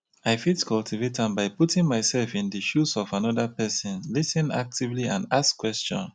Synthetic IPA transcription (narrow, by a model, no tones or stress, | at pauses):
aɪfitkʰɔltʰivetãmbaɪputɪ̃ŋmaɪsɛlfɪ̃ndɨʃusɔvanɔðəpɛsɔ̃nlisɪ̃na̰k̚tivliã̰ndaskːwɛst͡ʃɔ̰̃n